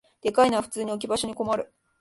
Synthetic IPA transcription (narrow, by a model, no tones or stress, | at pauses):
d̪̥e̞kainaβaɸɯ̥t͡sɨːɲ̟iok̬ʲibaɕo̞ɲ̟iko̞maɾɯ̟